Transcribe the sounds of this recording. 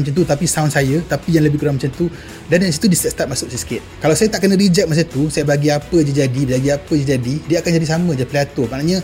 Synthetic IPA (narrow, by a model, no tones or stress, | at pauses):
mat͡ʃant̪ut̪apisawnsajət̪apijaŋləbɪhkuɾaŋmat͡ʃant̪u | dandaisit̪udist̪ɛt̚st̪ap̚masʊk̚sajsə̥kɪt̪̚kalawsajat̪aʔkənəɾid͡ʒɛt̚mas̬ət̪usajabaɡiapəd͡ʒəd͡ʒadibd͡ʒaɡiapəd͡ʒad͡ʒadidiəakand͡ʒadisamə̃d͡ʒapəliat̪ʊmanaɲə̃